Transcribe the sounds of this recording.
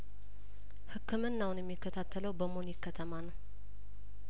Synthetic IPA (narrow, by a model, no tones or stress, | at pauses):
hɨkːɨmɨnːawʊnjɛmːikːət̪ʰat̪ʰːələwbəmonjɪkʰːət̪ʰəmanəw